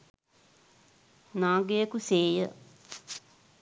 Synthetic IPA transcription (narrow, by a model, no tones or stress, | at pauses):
nãːɡejəkuseːjə